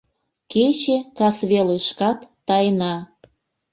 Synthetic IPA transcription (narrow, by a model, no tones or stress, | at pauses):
ket͡ɕekɑsβeleʃkɑt̪ːɑjnɑ